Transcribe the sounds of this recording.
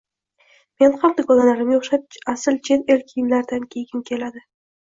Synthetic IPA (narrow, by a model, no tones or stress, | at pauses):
me̞nχamd̪akɒlanaɾɪmjoχʃat̪̚asɪlt͡ʃʰe̞t̪elkʲʰijɪnlaɾd̪ankʲʰe̞jɪmkʲʰe̞lad̪ɪ